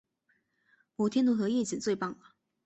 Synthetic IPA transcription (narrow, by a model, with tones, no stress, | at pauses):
mɔ˨˥t̪ʰjɛ˥nt̪u˧˥xɤ˧˥jɛ˥˩t͡ɕi˨˩ŋt͡swe˥˧ɪpɑ˥˩ŋlə˩˦